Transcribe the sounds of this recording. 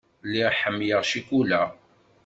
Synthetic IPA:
lːiʁħəmːjəʁʃikulæ

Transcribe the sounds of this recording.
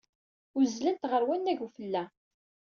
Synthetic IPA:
ʊzlənt̪ʁəɾwænːæʝufəlːæ

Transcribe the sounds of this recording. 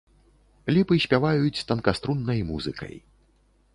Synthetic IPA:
lʲipɨsʲpʲavajut͡sʲst̪ɐnkast̪ɾunːɐjmuzɨkɐ̰j

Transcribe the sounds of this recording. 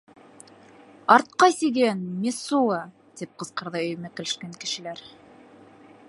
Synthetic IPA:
ɑɾt̪̚qɑsiɡɘnmisuɑ | t̪ip̚qɤ̆sqɤ̆ɾðɤɵ̆j̆mækɘ̆lɘ̆ʃkæŋkɘ̆ʃɘ̆læɾ

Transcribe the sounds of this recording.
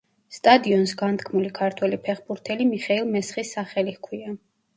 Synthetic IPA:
st̪ʼad̪iɔnsɡant̪kʰmulikʰaɾt̪ʰwɛlipʰɛχbuɾt̪ʰɛlimiχɛilˠmɛsχisːaχɛlihkʰwia

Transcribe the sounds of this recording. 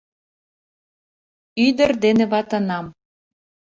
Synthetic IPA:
yd̪ərd̪enĕβɑt̪ənɑm

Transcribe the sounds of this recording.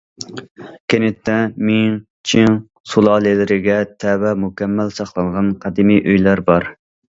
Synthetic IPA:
kʲenɪt̪ʰːɛmiŋ | t͡ʃʰiŋ | sulˠɑːlɪlɪɾɪɡʲɛt̪ʰɛwɛmukʲʰɛmːælsɑχlˠɑŋʁɑnqʰɑd̪imijʔøjlæɾbɑɾ

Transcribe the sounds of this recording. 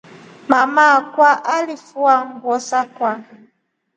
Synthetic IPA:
mamakwaʔalifuaŋ̩ɡwɔsakwa

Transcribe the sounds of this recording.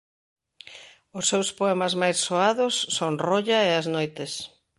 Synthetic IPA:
ʊsːewspoɛmɐzmajsːoaðʊsːoŋroʎɐeaznojt̪ɪs

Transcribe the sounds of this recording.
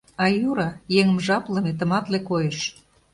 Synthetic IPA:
ɑjuɾɑjeŋə̆mʒɑplə̆met̪̬ə̆mɑt̪lekojeʃ

